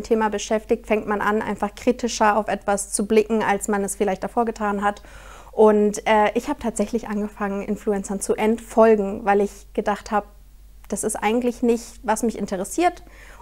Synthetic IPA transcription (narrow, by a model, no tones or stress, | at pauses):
mtʰeːmabəʃɛftɪçtfɛŋtmanʔa̰nʔa̰ɪnfaχkʁ̥iːtʰɪʃɐaʊfʔɛtv̥ast͡sublɪkŋ̩alsmanɛsfɪlaɪçt̚d̥afoːɐɡətʰaːnɦat | ʔʊntʔɛːʔɪçhaːbətʰaːtz̥ɛçlɪçʔanɡəfaŋənʔɪ̰nfluɛnt͡sɐnt͡suʔɛntfɔlɡŋ̩vaɪlɪç | ɡ̥ədaχthaːbə | d̥asɪstʔa̰ɪɡŋ̩tlɪçnɪçtvasmɪçʔɪntʰəʁəsiːɐt